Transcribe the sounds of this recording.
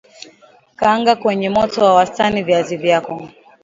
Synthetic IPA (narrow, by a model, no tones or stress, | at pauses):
kaŋɡakwɛɲɛmɔtɔwawastaniviazivjakɔ